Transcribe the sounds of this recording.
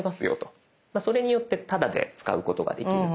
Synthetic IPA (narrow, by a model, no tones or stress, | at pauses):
masɨjo̞̰t̪o̞̥ | maso̞ɾe̞ɲ̟ijo̞t̪ːe̞t̪ad̪ad̪e̞̰t͡sɨ̥ka̰ɯ̟ko̞t̪o̞ɡa̰d̪e̞kʲiɾɯ̟